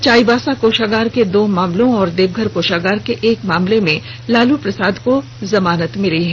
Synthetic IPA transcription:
t͡ʃaːibaːsakoːʃaːɡaːɾked̪oːmaːmlõɔːɾd̪eːbɡʱəɾkoːʃaːɡaːɾkeʔeːkmaːmlemẽ | laːlupɾɐsaːd̪ko | zɐmaːnət̪mɪliɦɛ̃ː

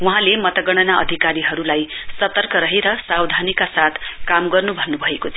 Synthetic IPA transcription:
wuɦãlemʌt̪ʌɡʌɽ̃ʌnaʔʌ̰d̪ʱikaɾiɦʌɾulajsʌt̪ʌrkʌɾʌɦeɾʌsawd̪ʱanikasat̪ʰkamɡʌrnubʱʌnːubʱʌekot͡sʰ

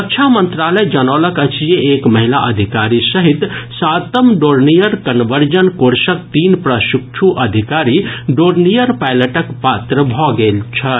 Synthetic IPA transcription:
əkt͡ʃʰamənt̪ɾaləjd͡ʒənɔːləkət͡ʃʰijeekmɐɦilaʔəd̪ʱikaɾisəɦit̪sat̪əmɖoɾnijəɾkənʋəɾd͡ʒənkoɾsək̚t̪iːnpɾəʃukt͡ʃʰuʔəd̪ʱikaɾiɖoɾnijəɾpajləʈəkpat̪ɾəbʱɔɡelt͡ʃʰɐ

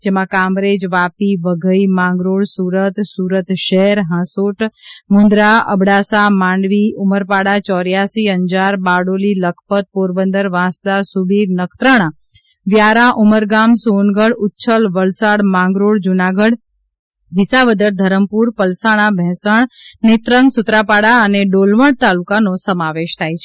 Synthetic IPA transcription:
d͡ʒɛmãkamɾed͡ʒʋapiʋəɡʱəimãŋɡɾoɽsuːɾət̪suːɾət̪ʃɛɦɾɦãsoʈmund̪ɾaʔə̰bɽaːsamãːɳɖʋiʊməɾpaɽat͡ʃɔɾjasiəɲd͡ʒaɾbaɽoliləkʰpət̪̚poːɾbənd̪əɾʋãːsd̪asubiːɾnəkʰt̪ɾəɽ̃ã | ʋjaɾãʔuməɾɡamsonɡəɽʊtːʃʰəlʋəlsaɽmãŋɡɾoɽd͡ʒunaɡəɽ | ʋisaʋəd̪əɾd̪ʱəɾəmpuɾpəlsaɽ̃ãbʱɛ̃səɳnit̪ɾəŋɡsʊt̪ɾapaɽaəneɖolʋəɽt̪alukanosəmaʋeʃt̪ʰajt͡ʃʰe

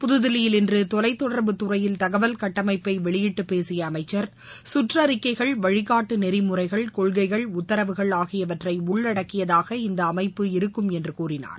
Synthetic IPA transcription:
pʊðɯðɪlɪjɪlɪndrɯt̪ɔlɐɪt̪ːɔɽɐɾbɯt̪ʊrɐjɪlt̪ɐɣɐʋɐlkɐʈːɐmɐɪpːɐɪʋɛɭɪjɪʈːɯpːeːsɪjɐːmɐɪt͡ʃːɐɾ | sʊʈrɐɾɪkːɐɪɣɐɭʋɐɻɪɣaːʈːɯnɛɾɪmʊrɐɪɣɐɭkɔɭɣɐɪɣɐɭʊt̪ːɐɾɐʋɯɣɐɭaːɣɪjɐʋɐʈrɐɪʊɭːɐɽɐkːɪjɐðaːɣɐɪnd̪ɐːmɐɪpːɯɪɾɯkːɯmɛndrɯkuːrɪna̰ːɾ

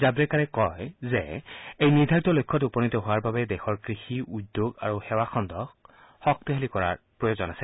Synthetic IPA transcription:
zabɹɛkaɹɛkɔjzɛejniɹd̪ʱaɹitɔlojkʰːɔtupɔnitɔɦʊwaɹbabɛdɛxɔɹkɹixiʔudjoɡa̰ɹuxɛwaxɔndɔx | hɔk̚t̪iɦalikɔɹa̰ɹ | pɹɔjozɔnasɛ

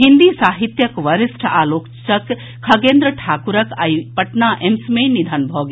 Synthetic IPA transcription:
ɦind̪isaːɦit̪jɐkʋɐɾisʈʰaːlokt͡ʃɐkʰː | ɐɡend̪ɾəʈʰaːkuɾəkajpɐʈnaʔemsmẽnid̪ʱɐnbʱɔɡ

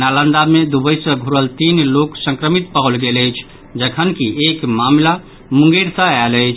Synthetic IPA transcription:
nalə̃nd̪amed̪ubəjsə̃ɡʱuɾəlt̪inloksə̃ŋkɾəmit̪̚pəɦəlɡeləjt͡ʃʰ | d͡ʒəkʰənkiekmamla | mũŋɡeɾsə̃ɛləɪt͡ʃʰ

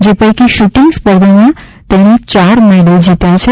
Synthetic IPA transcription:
d͡ʒepəjkiʃuʈiŋɡspəɾd̪ʱənãt̪eɽ̃it͡ʃaɾmɛɖəld͡ʒit̪ajt͡ʃʰe

